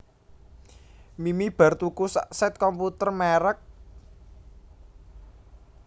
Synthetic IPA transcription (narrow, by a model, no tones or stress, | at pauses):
mimib̥a̤rt̪ukusasɛt̪̚kɔmput̪ərmɛɾək̚